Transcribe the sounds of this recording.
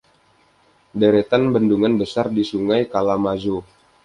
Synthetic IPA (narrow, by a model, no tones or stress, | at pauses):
deɾet̪anbənduŋanbəsardisuŋajkalamad͡ʒo